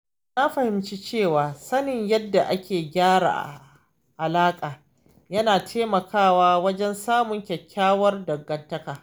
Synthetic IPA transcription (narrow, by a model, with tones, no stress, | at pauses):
na˦ɸɐ˨hɪ˨mt͡ʃi˦t͡ʃeː˦˨waː˨sɐ˦nɪ˨ɲjɐ˦dːa˨ʔa˦kʲeː˨ɡʲaː˦ɽa̰ː˨ʔa̰˨ | ʔa˨laː˦kʼaː˨ | jɐ˦naː˨tʰeː˦mɐ˨kʰaː˦˨waː˦wɐ˦d͡ʒɛ˦nsaː˦mʊ˨ŋkʲɛ˨kʲːaː˦wɐ˦rdɐ˨ɡːɐ˨ntːɐ˦kaː˨